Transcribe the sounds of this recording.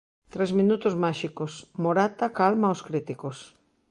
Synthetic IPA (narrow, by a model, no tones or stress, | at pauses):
t̪ɾezmĩnut̪ʊzmaʃikosmoɾat̪akalmaoskɾit̪ikos